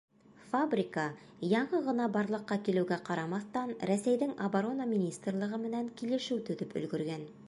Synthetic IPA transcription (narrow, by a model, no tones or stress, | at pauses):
fabrʲikɑ | jɑɴɤʁɤ̆nɑbɑɾlˠɤ̆qːɑkilɘ̆wɡæqɑɾɑmɑθt̪ɑnɾæsæjðɘŋabaɾo̞namʲinʲist̪rlˠɤ̆ʁɤmɘ̆næŋkilɘ̆ʃɘwt̪ɵ̆ðɵpɵ̰̆lɡɵ̆ɾɡæn